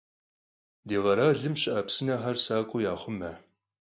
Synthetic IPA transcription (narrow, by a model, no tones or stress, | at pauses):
deːʁɐɾaːɮɨmɕɪʔɐpsɨnɐɦɐrsaːkʷʼʊjaːχʷʊmɐ